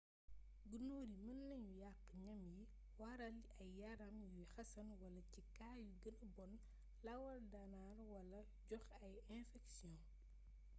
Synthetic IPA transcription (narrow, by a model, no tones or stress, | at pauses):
ɡunoːɾimənːɐɲjujaqːəɲɐmji | wɐɾɐlɐjːɐɾɐmjujxɐsɐnwɐlɐcikaːjuɡənɐbɔn | lɐwɐldɐnaːɾwɐlɐ | ɟɔxɐjɛ̃fɛksijɔ̃